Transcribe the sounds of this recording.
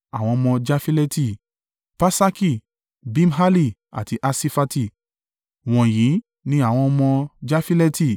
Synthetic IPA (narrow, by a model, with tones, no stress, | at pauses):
a˨w̃ɔ̃˧mɔ̃˧d͡ʒa˦fi˦lɛ˦ti˧˨ | pa˦sa˦ki˦˧˨ | bĩ˦m˦ɦa˦li˦˨ | a̰˨ti˧ʔa˧si˧fa˧ti˧˨ | w̃ɔ̃˨jĩ˨˦ | nĩ˦a˦˨w̃ɔ̃˧mɔ̃˧d͡ʒa˦fi˦lɛ˦ti˧˨